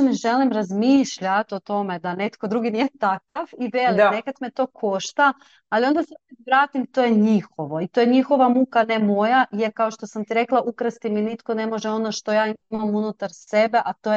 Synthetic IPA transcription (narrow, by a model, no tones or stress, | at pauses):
miʒe̞limɾazmiːʃʎat̪o̞t̪o̞me̞d̪ane̞t̪ko̞d̪ɾuːɡinijet̪akaʋiʋelnekat̪met̪o̞ːkʰo̞ʃt̪aː | lˠio̞nd̪asat̪ʋɾaːt̪imt̪o̞ːjeɲixo̞ʋo̞it̪o̞jeɲixo̞ʋamukane̞mo̞jajeɾkao̞ʃt̪o̞samt̪iɾe̞klˠaʔukɾast̪iminit̪ko̞ne̞mo̞ʒeo̞no̞ʃt̪o̞jaːimamunut̪aɾse̞be̞ʔat̪oːje